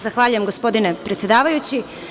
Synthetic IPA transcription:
zaxʋaːʎujemɡo̞spo̞d̪ine̞pɾet̪sje̞d̪aːʋajut͡ɕi

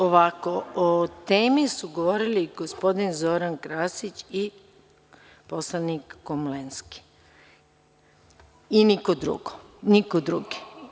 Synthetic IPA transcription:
oʋakoot̪eːmisuɡoʋo̞ɾiliɡospo̞d̪inzo̞ɾankɾaːsit͡ɕi | poslˠanikːomlenski̥ | inikod̪ɾṵɡo | nikod̪ɾuɡi̥

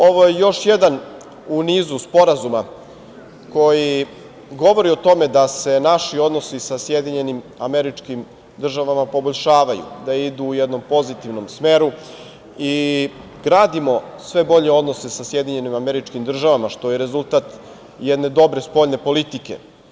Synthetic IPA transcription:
oʋojejo̞ʃjed̪an | uniːzuspo̞ɾazuma | ko̞ji | ɡo̞ʋo̞ɾio̞t̪o̞me̞d̪ase̞naʃio̞d̪nosisasjed̪iɲe̞nim | ameɾit͡ʃkim | d̪r̩ʒaʋamapo̞boʎʲʃaːʋajṵd̪aid̪uːjɛd̪no̞mpo̞zit̪iʋno̞msme̞ːɾu | i | ɡɾaːd̪imo̞sʋe̞bo̞ʎeo̞d̪no̞sesasje̞d̪iɲe̞nimameɾit͡ʃkimd̪r̩ʒaʋamaʃt̪o̞jeɾe̞zulˠt̪at̪ | jɛd̪ne̞d̪o̞bɾe̞spo̞ʎne̞po̞lit̪ikḛ

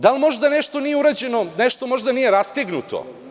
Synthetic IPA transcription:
d̪alˠmo̞ʒd̪ane̞ʃt̪o̞nijeuɾaːd͡ʑe̞no̞neʃt̪o̞mo̞ʒd̪anijeɾast̪eɡnut̪ʰo̰

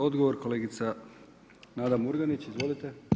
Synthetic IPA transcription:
o̞d̪ɡoʋoɾko̞leːɡit̪sa | naːd̪amuɾɡanit͡ɕizʋo̞lit̪e

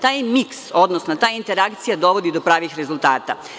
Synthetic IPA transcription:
t̪aːjmikso̞d̪nosnot̪aːjint̪e̞ɾakt̪sijad̪o̞ʋo̞d̪id̪o̞pɾaːʋixɾe̞zulˠt̪aːt̪a̰

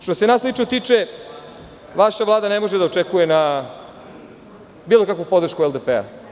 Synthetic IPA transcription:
ʃt̪ose̞naːslit͡ʃnot̪iːt͡ʂe | ʋaʃaʋlˠaːd̪anemo̞ʒed̪aot͡ʂekujena | biːlˠo̞kakʋopo̞d̪ɾ̩ʃkuelˠd̪epea̰

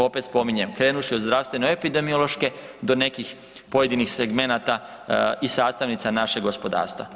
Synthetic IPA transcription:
o̞pe̞t̪spo̞miɲe̞mkɾe̞ːnuʃiod̪zd̪ɾaʋst̪ʋe̞noepid̪e̞miolˠo̞ʃke̞d̪o̞ne̞kix | po̞je̞d̪inixseɡme̞nat̪a | isaːst̪aʋnit̪sanaʃeɡospo̞d̪a̰ːɾst̪ʋa̰

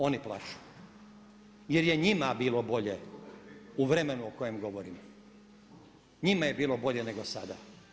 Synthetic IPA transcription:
o̞niplˠa̰ʃu̥u | je̞ɾje̞ɲimabiːlˠo̞bo̞ʎe | uʋɾemenuoko̞jemɡo̞ʋoɾim | ɲimaje̞biːlˠo̞bo̞ʎe̞neɡosad̪a

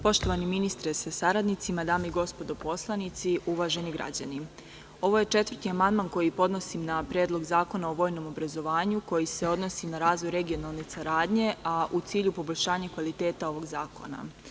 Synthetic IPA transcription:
po̞ʃt̪o̞ʋaniminist̪ɾesasaɾad̪nit̪simad̪aːmeiɡo̞spo̞d̪o̞po̞slˠanit̪siʔuʋaʒe̞niɡɾa̰d͡ʑa̰ni | o̞ʋo̞je̞t͡ʃe̞t̪ʋərt̪iamand̪manko̞jipo̞d̪no̞simnapɾjeːd̪lˠo̞ɡzaːko̞nao̞ʋo̞ːjno̞mo̞bɾazo̞ʋaːɲuko̞jise̞o̞d̪no̞sinaɾaːzʋo̞jɾe̞ɡio̞nalˠne̞saɾaːd̪ɲe̞ʔaʔut̪siːʎupo̞bo̞ʎʲʃaːɲakʋalit̪e̞ːt̪ao̞ʋo̞ɡzaːko̞̰na̰

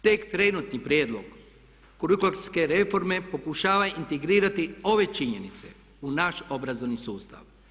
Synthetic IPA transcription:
t̪ekt̪ɾe̞nut̪nipɾjeːd̪lˠoɡ | kuɾikulˠaske̞ɾe̞fo̞ɾme̞po̞kuʃaːʋaint̪eɡɾiːɾat̪io̞ʋe̞t͡ʃiɲe̞nit̪se̞̰ | unaʃo̞bɾazo̞ʋnisuːst̪a̰ʋ

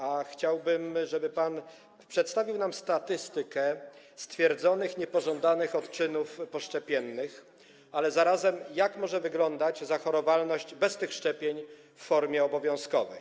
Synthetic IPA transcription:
axt͡ɕawbɘmʐɛbɘpan | pʂɛt̪st̪avʲiwnamst̪at̪ɘst̪ɘkɛ | st̪fʲjɛɾd̪zɔnɘxɲɛpɔʐɔnd̪anɘxɔt̪t͡ʂɘnufpɔʂt͡ʂɛpʲjɛnːɘx | alɛzaɾazɛmjakmɔʐɛvɘɡlɔnd̪ad͡ʑzaxɔɾɔvalnɔɕd͡ʑbɛst̪ɘxʂt͡ʂɛpʲjeɲ | fːɔɾmʲjɛɔbɔvʲjɔ̃w̃skɔvɛj

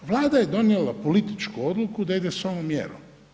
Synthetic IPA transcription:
ʋlˠaːd̪aje̞d̪o̞nielapo̞lit̪i̥t͡ʃkuo̞d̪lukud̪aid̪e̞soʋomjḛɾo̰m

